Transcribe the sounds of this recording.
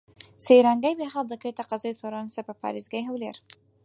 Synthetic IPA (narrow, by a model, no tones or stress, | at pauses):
seɾaŋɡajbexald̪əkəjt̪aqɑzɑjsoɾɑnsapəpɑ̰ɾizɡajɦawlḛɾ